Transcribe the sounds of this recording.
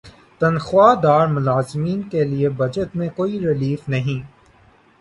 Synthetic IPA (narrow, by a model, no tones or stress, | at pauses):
t̪ɐnxʊwaːd̪aːɾmʊlaːzmiːnkeliebɐd͡ʒət̪mẽkoːiɾɪliːfnɐɦĩː